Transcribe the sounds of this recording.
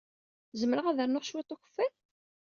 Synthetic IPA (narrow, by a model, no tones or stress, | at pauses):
zəmːəɾəʁæðəɾnʊʁʃwit̪ˤːʊçə̥fːæl